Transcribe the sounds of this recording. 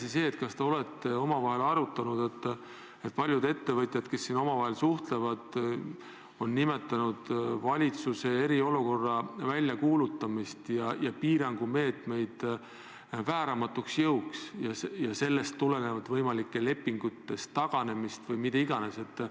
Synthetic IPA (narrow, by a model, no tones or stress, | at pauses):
sise̞ːt̪kɑst̪ɑo̞let̪ˑːeo̞mɑvɑɦe̞lɑɾut̪ːˑɑnud̪̥e̞t̪ː | et̪̚ˑpɑlʲjud̪e̞t̪ːe̞vɤt̪ʲjɑd̪̥ke̞sːino̞mɑvɑɦe̞lsuht̪le̞vɑd̪̥ | o̞nːime̞t̪ːˑɑnud̪̥vɑlʲit̪suse̞e̞ɾio̞luko̞rːɑvælʲjɑkuːlut̪ːˑɑmist̪jɑjɑpiːɾɑŋɡ̥ume̞ːt̪me̞jd̪̥ | væːɾɑmɑt̪ːˑuksjɤwksjɑsjɑse̞lːe̞st̪ːule̞nevɑd̪̥vɤjmɑlikːe̞le̞pːiŋɡ̥ut̪ːe̞st̪ːɑɡ̥ɑne̞mist̪vɤjmit̪eiɡ̥ɑnese̞t̪ːˑ